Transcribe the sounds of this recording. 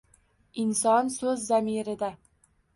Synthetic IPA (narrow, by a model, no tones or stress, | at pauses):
ɪnsɒnsɵzːamiɾɪd̪a